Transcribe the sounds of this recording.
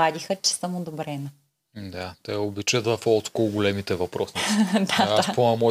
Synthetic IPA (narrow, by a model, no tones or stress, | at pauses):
ad̪ʲixət͡ʃɛ̥səmʊd̪obɾɛnɐ | d̪at̪ɛobit͡ʃət̪ɐfɔt̪koʊɡolɛmit̪ɛvɐpɾɔsniid̪aasponɛmɔ